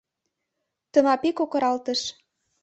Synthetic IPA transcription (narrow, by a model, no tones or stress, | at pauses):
t̪ə̆nɑpekokɤ̆ɾɑlt̪ə̆ʃ